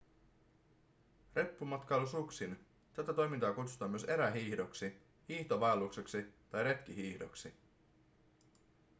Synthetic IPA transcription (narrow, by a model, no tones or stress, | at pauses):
re̞pːumɑt̪kɑjlusuksin | t̪æt̪æt̪o̞jmint̪ɑːkut̪su̥t̪ɑmyøse̞ɾæɦiːçdoksi | hiːht̪oʋɑelːukse̞ksit̪ɑjɾe̞t̪k̟iɦiːçdo̰ksi